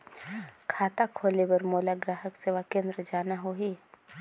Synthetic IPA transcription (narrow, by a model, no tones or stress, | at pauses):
kʰaːt̪akʰoːlebɐɾmoːlaɡɾaːɦəkseːʋakẽːnd̪ɾəd͡ʒaːnaɦoɦi